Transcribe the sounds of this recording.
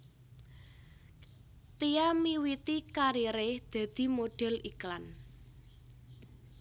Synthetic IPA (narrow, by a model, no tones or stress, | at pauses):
t̪ijamiwit̪ikaɾiɾed̪̥ä̤d̪̥i̤moɖ̥ɛ̤lʔiklan